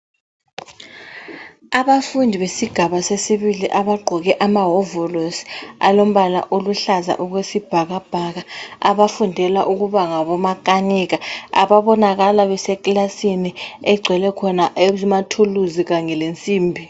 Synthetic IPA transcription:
aβafundʱiβesiɡ̥ʱaβasesiβiliʔaɓaɡ͡ǃʱɔɣɛʔamaɦɔvɔlosa̰lom̩ɓala̰ʔoluɬaza̰ʔuɣ̬wesib̥ʱaɣab̥ʱaɣaa̰βafundʱɛlaʔuɣuβaŋaβɔmakʼaniɣaa̰βaɓɔnaɣ̬alaβɛsɛkʼlasiniɛɡ͡ǀʱwɛlɛkʰɔnaʔematʰuluziɣaŋɛlent͡sʼiːmbʱi

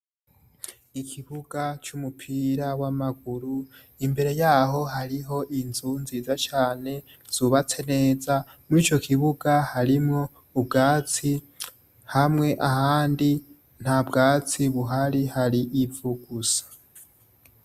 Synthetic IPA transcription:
ikʰiβuɡat͡ʃumupʰiːɾawamaɡuɾu | imbe̞ɾe̞jaːɦo̞ɦaɾiɦo̞ʔinzunziːzat͡ʃaːne̞ | z̥uβat͡se̞ne̞za | muɾiːt͡ʃo̞kiβuɡahaɾimŋo̞ | ubɡaːt͡si | hamŋe̞ʔahaːndi | n̥habɡaːt͡siβuɦaɾihaɾiʔivuɡ̥usḁ

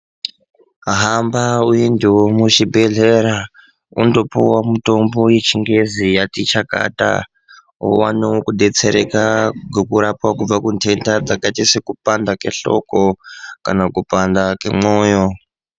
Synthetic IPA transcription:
aɦambaujendiwomuʃibʱe̞ɮeɾa | ṵndo̞puwamutombo̞jet͡ʃiŋɡe̞zijatit͡ʃaka̰ta̰ | o̰waneokuɗe̞t͡se̞ɾekaɡekuɾapwakub͡vakuntʰe̞ntad͡zakaitisekupandake̞̰ɬo̞̰koka̰nakupandakḛmoːjo

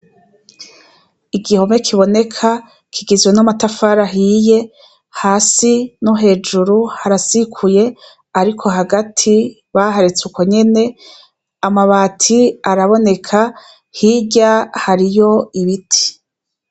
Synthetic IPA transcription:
iɡiho̞mekʰiβo̞ne̞kʰa | kʰiɡizwenamatafaɾaɦiːje̞ | haːsinuɦe̞ːd͡ʒuɾuhaɾasikʰuje̞ | aɾikʰo̞ɦaɡatʰi | βaɦaɾet͡sukoɲe̞ne̞ | amaβaːtʰiaɾaβo̞ne̞kʰa | hiɟahaɾijo̞iβitʰi̥

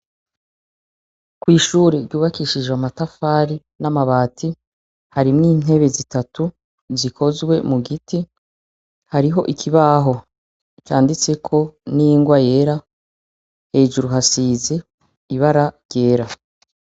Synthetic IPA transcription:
kwiːʃuːɾeɾɟuːβakiʃid͡ʒweamatafaːɾi | namaβaːtʰi | haɾimŋiːn̥e̞βe̞zitatu | zikʰo̞zɡwe̞muɡiti | haɾiɦo̞ʔikʰiβaːɦo̞ | t͡ʃaːndit͡se̞kʰo̞nijiŋɡwaje̞ɾa | he̞ːʒuɾuɦasiːze̞ | iβaɾaɾɟe̞ːɾa

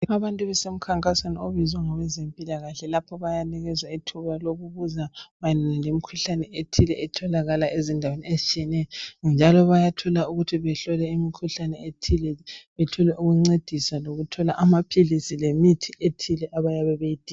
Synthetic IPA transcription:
aβantʼuβɛsem̩kʰaŋkʼasanioβizwaŋɔwɛzempʼilaɣaɬɛlapʰɔβajaniɣɛzaitʰuβaloɣuβuzaβajɛnanalemikʰuɬanɛetʰilɛɛtʰɔlaɣalaʔezindʱaweniezit͡ʃʼiɛnɛjɔnd͡ʒʱalɔβajatʰɔlauɣutʰiβɛɬɔlɛimikʰuɬanɛetʰilɛβɛtʰulɛʔuɣuŋ͡ǀed̥ʱisaloɣutʰɔlaʔamapʰilisilemitʰiʔetʰilɛʔaβajaβɛβejid̥ʱiː

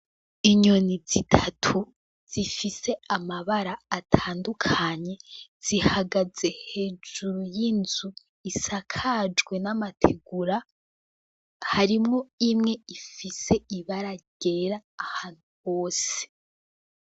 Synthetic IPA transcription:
iɲonizitʰatʰu | z̥ifise̞amaβaɾaːtʰaːndukʰaɲe̞z̥ihaɡaze̞he̞ːd͡ʒuɾujinzu | isakʰad͡ʒɡwe̞namatʰeɡuɾa | haɾimŋoimŋe̞ifise̞iβaɾaɟ̥e̞ɾaːhaːn̥huβo̞ːse̥

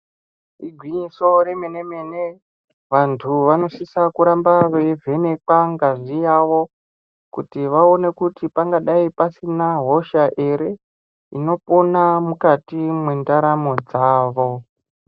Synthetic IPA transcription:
iɡʱwiɲiso̞ɾe̞me̞ne̞me̞ne | ʋantʰuʋano̞sisakuɾambaʋevʱe̞ne̞kwaŋɡaʐijaʋo̞ | kutiʋao̞ne̞kutipaŋɡaɗaipasinaɦo̞ʃaʔeɾe̞ | ino̞po̞namukatimwendaɾamo̞d͡zaːʋo̞

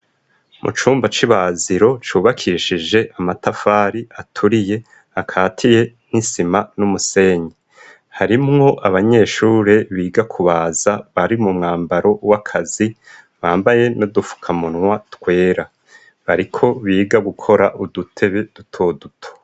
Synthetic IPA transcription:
mʔṵt͡ʃuːmbat͡ʃiβaziɾo̞t͡ʃuːβakʰiʃid͡ʒe̞ʔamatafaːɾiʔatʰuɾije̞ | akʰaːtʰije̞nisimanumuse̞ːɲe | haɾimŋo̞ʔaβaɲe̞ʃuːɾeβiːɡakʰuβaːzaβaɾimumŋaːmbaɾo̞wakʰazi | βaːmbaje̞nodufu̥kʰamunŋwatkwe̞ːɾa | βaɾikʰo̞βiːɡaɡukʰo̞ɾaʔudutʰe̞βe̞d̥utʰo̞ːdutʰo̥

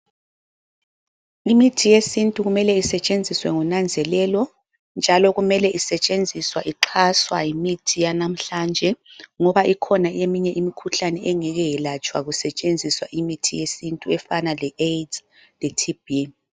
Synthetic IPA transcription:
imitʰijesintʼuɣumɛlɛisɛt͡ʃʼend͡zʱiswɛŋunand͡zʱɛlɛlɔ | nd͡ʒʱalɔɣumɛlɛʔisɛt͡ʃʼend͡zʱiswaʔiǃʰaswajimitʰijanam̩ɬand͡ʒʱɛŋɔβaʔikʰɔnaemiɲɛʔimikʰuɬanɛʔɛŋɛɣɛjɛlat͡ʃʼwaɣusɛt͡ʃʼend͡zʱiswaʔimitʰijesintʼuɛfanalɛed | lɛtʰibi

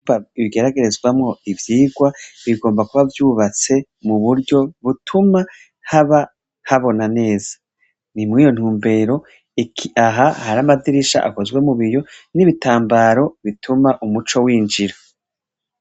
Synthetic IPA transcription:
aiβiɡe̞ɾaɡe̞ɾe̞zɡwamŋo̞ivjiːɡwaβiɡo̞ːmbakuβavjuːβat͡se̞ | muβuɾɟo̞βutʰuma | haβa | haβo̞nane̞ːz̥ḁ | nimŋiːjo̞n̥huːmbe̞ːɾo̞ | ikʰiʔaɦahaɾamadiɾiʃa̰ʔa̰ko̞zɡwe̞muβijo̞niβitaːmbaːɾo̞βitʰumaʔumut͡ʃo̞wiːnd͡ʒiɾo

